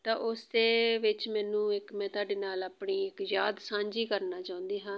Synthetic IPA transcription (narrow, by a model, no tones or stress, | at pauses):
t̪ãːʔʊsd̪eːʋɪt͡ʃmɛːnũːɪkmɛ̃ːt̪ʊaːɖeːnaːlaːpɳiːɪkjaːd̪sãːɲd͡ʒiːkəɾnaːt͡ʃaːʊ̃nd̪iːɦãː